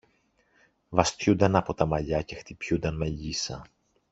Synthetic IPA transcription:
vɐst̪çund̪ɐnɐpo̞t̪ɐmɐʎɐce̞xt̪ipçund̪ɐnme̞ʎisɐ̰

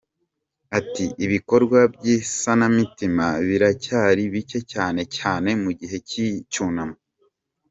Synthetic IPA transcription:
atiʔiβiko̞ɾɡwabɟiːsanamitimaβiɾacaːɾiβice̞caːne̞caːne̞muɟiɦe̞cit͡ʃuːnamo

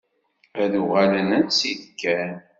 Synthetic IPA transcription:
æðuʁælənænsiðkːæn

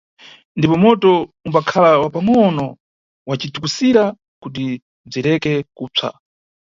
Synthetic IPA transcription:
ndipɔmɔtɔumbakʰalawapaŋɔnɔ | wat͡ʃitukusiɾa | kut̬i | b͡ʐiɾɛkɛkuːt͡sʰa̰

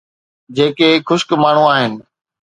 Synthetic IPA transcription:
d͡ʑeːkexʊʃkmaːɳ̤ũaːɦɪnɪ̆

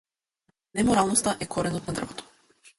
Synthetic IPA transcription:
nɛmɔɾalˠnɔst̪aʔɛkʰɔɾɛnɔt̪nad̪r̩vɔt̪ʰɔ̥

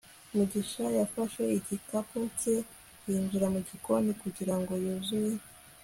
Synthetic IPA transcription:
muɟiʃajafaʃwe̞icikaput͡se | jiːnzuɾamuɟikonikuɟiɾaŋɡo̞juzuje

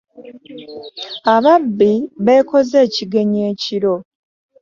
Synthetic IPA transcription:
aβabːiβe̞ːko̞ze̞ːciɡe̞ɲe̞ːciɾo̞

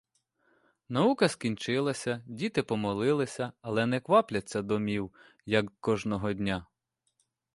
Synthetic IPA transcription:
nɐukɐskʲinʲt͡ʃɪlˠɐsʲɐdʲit̪ɪpɔmɔlˠɪlˠɪsʲɐɐlˠɛnɛkʋɑplʲɐt͡sʲːɐd̪ɔmʲiw | jɐkːkɔʒnɔɦɔdʲnʲa

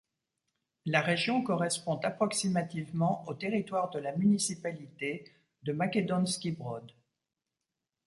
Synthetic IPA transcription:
laʁeʒjɔ̃kɔʁɛspɔ̃t̪apχɔksimat̪ivmɑ̃ot̪eʁit̪waʁd̪əlamynisipalit̪e | d̪əmakʲed̪ɔnskʲibʁɔd̪

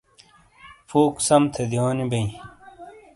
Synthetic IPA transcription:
fuːksɐmt̪ʰed̪ijoːnibɐĩ

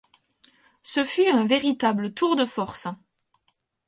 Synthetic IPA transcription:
səfyɛ̃veʁit̪ablət̪uʁd̪əfɔʁsə

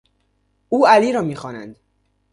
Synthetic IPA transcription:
ʔuːæliːɾɒːmiːxɒːnæ̰nd̪

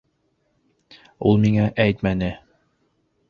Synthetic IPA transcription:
ulˠmiŋæʔæjt̪mænɘ

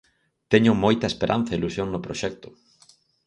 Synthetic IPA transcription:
t̪ɛɲʊmojt̪ɐespeɾʔa̰n̟θɐilusjoŋnʊpɾoʃɛk̚t̪ʊ̥

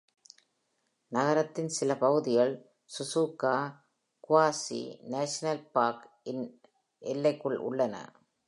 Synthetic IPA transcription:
nɐɣɐɾɐt̪ːɪnsɪlɐpɐɣɯðɪɣɐɭ | sʊsuːkːaː | kʊʋaːsḭneːʂɐnɐlpaːɾk | ɪn | ʔɛlːɐɪkːɯɭʔʊ̰ɭːɐnɐ̰

